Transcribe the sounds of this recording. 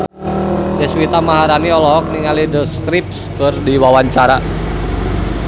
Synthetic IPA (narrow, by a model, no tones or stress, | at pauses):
dəswit̪amaɦaɾaniɔlɔɦɔk̚niŋalidəskɾip̚skɨrdiwawaɲt͡ʃaɾa